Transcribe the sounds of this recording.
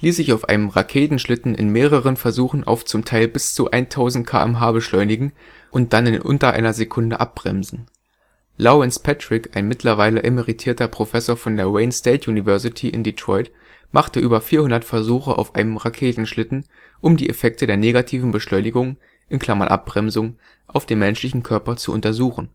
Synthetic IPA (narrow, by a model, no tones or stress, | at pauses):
liːsz̥ɪçaʊfʔa̰ɪnəmʁakʰeːtn̩ʃlɪtn̩ʔɪ̰nmeːʁ̞əʁ̞ənfɛɐzuːxn̩ʔa̰ʊft͡sʊmtʰaɪlbɪst͡suʔa̰ɪntʰaʊzn̩t̚kʰa̰ːʔɛ̰mɦaːbəʃlɔʏnɪɡŋ̩ | ʔʊnt̚d̥anɪnʔʊ̰ntɐʔa̰ɪnɐzekʰʊndəʔap̚b̥ʁɛ̰mzn̩ | loɛnspʰɛtʁ̥ɪkaɪnmɪtʰlɐvaɪləʔeməʁitʰiːɐtɐpʁ̥ofɛsoːɐfɔndeːɐwɛɪnsteɪtjunivɛɐsɪtʰiʔɪ̰nditʁ̥ɔʏt | mʔaχtəʔyːbɐfiːɐhʊndɐtfɛɐzuːxəʔa̰ʊfʔa̰ɪnəmʁakʰeːtn̩ʃlɪtn̩ | ʔʊmdiːʔefɛk̚tədeːɐneːɡatʰiːvn̩bəʃlɔʏnɪɡʊŋ | ʔɪnkʰl̥amanʔa̰p̚b̥ʁɛmzʊŋ | ʔaʊfd̥eːmɛnʃlɪçn̩kʰœɐpɐt͡suʔʊ̰ntɐzuːxn̩